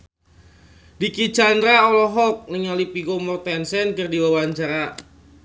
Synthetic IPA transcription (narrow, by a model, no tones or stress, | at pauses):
dikit͡ʃandɾaɔlɔɦɔk̚nəŋalipiɡomɔrt̪ɛnsɛnkərdiwawaɲt͡ʃaɾa